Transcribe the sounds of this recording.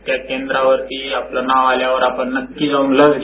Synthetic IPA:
t̪jakend̪ɾaʋəɾt̪iːaplənaʋaljaʋəɾapəɳːəkːiːd͡zʱaũŋləd͡zɡ

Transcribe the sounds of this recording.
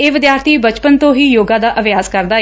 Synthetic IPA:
eːʋɪd̪jaːɾt̪ʰiːbət͡ʃpənt̪õːɦiːjoːɡãːd̪aːʔəʋjaːzkəɾd̪aː

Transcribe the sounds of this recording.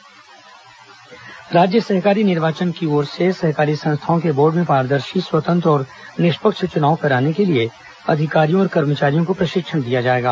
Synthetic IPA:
ɾaːd͡ʒjəsɐɦkaːɾinɪɾʋaːt͡ʃənkioːɾsesɐɦkaːɾisɐ̃ñst̪ʰaːõkeboːɾɖmẽpaːɾd̪əɾʃiswət̪ə̃nt̪ɾɔːɾnɪʃpəkʃət͡ʃʊnaːʋõpʰɛːɾaːnekelie | ɐ̰d̪ʱɪkaːɾijõɔːɾkɐɾmət͡ʃaːɾijõkopɾɐʃɪkʃənd̪ijad͡ʒaːeːɡa̰ː

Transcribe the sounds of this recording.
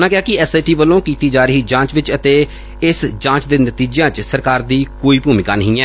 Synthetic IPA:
nãːkɪjaːkɪɛːsaːʈiːʋəlːõːkiːt̪iːd͡ʒaːɾəɦiːd͡ʒãːt͡ʃʋɪt͡ʃət̪eː | ɪsd͡ʒãːt͡ʃd̪eːnət̪iːd͡ʒjãːt͡ʃsəɾkaːɾd̪iːkoːiːbuːmɪkaːnəɦĩːɛː

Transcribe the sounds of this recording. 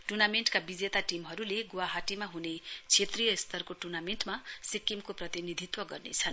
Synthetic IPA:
ʈurnamenʈkabid͡zet̪aʈimɦʌɾuleɡowaɦaʈimaɦunet͡sʰet̪rijʌst̪ʌrkoʈurnameɳʈmasikːimkoprʌt̪inid̪ʱit̪wʌɡʌrnḛt͡sʰʌn

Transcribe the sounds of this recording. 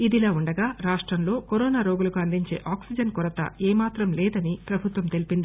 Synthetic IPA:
id̪ilaːuɳɖɐɡaːɾaːʂʈɾɐmlo̞ːkoɾɔːnaːɾoːɡulɐkuɐnd̪iɲt͡ʃe̞̰ːʔaːksid͡ʒɐnkuɾɐt̪ɐ̰eːmaːt̪ɾɐmlɛːd̪ɐnipɾɐbʱut̪ʋɐmt̪e̞lipind̪i

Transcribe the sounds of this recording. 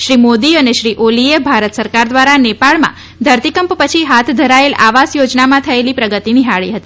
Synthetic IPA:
ʃɾimod̪iəneʃɾiʔoliebʱaɾət̪səɾkaɾd̪ʋaɾanepaɭmã̰ | d̪ʱəɾt̪ikəmppət͡ʃʰiɦat̪ʰd̪ʱəɾaela̰ʋasjod͡ʒnamãt̪ʰəelipɾəɡət̪iniɦaɭḭɦət̪i

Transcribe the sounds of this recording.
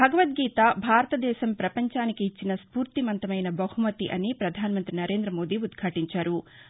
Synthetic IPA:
bʱɐɡɐʋɐt̪̚ɡiːt̪aːbʱaːɾɐt̪ɐd̪ɛːʃɐmpɾɐpɐɲt͡ʃaːnikiːt͡ʃːinɐspuːɾt̪imɐnt̪ɐmɐjnɐbɐhumɐt̪iʔɐnipɾɐd̪ʱaːnɐmɐnt̪ɾinɐɾe̞ːnd̪ɾɐmo̞ːd̪iːud̪kʰaːʈiɲt͡ʃaːɾu

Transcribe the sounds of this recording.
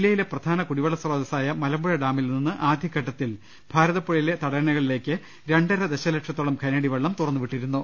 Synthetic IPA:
ilːɐjile̞prɐd̪ʱaːnɐkuɽiʋɐɭːɐsroːd̪ɐsaːjɐmɐlɐmbuɻɐɖaːmilninːɨʔaːd̪ʱikːɐʈːɐt̪ːil | b̥ʱaːɾɐðɐpːoɭile̞t̪ɐɽɐɾɐnɐɣɐɭile̞ːkːɨ | ɾe̞ɳɖɐɾɐd̪eɕɐleʈʂɐt̪ːoɭɐmkʰɐneɽiʋɐɭːɐmt̪urɐnːuʋiʈːiɾunːu

